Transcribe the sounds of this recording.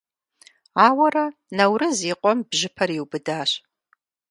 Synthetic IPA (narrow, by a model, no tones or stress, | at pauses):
aːwɐrɐnɐwrɨziːqʷɔmbʒɪpʰɐriwbɨdaːɕ